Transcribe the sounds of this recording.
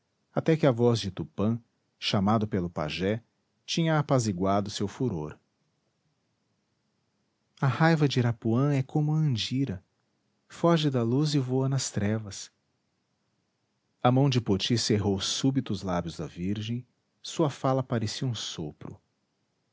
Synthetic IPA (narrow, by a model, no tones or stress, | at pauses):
at̪ɛkɪɐvɔzd͡ʒɪt̪upɐ̃ | ʃamad̪ʊpelʊpa̰ʒɛ | t͡ʃĩɲɐːpaziɡwad̪ʊsewfuɾo̰ɾ | ɐhajvɐd͡ʒɪɾapuɐ̃ɛkʰõmʊɐ̃d͡ʒiɾɐ | fɔʒɪd̪ɐluzɪvoɐnɐst̪ɾɛvɐs | ɐmɐ̃w̃d͡ʒɪpot͡ʃiseɦowsubit̪ʊːzlabjʊzd̪ɐviɾʒẽj̃ | suɐfalɐpaɾesiɐũsopɾʊ̰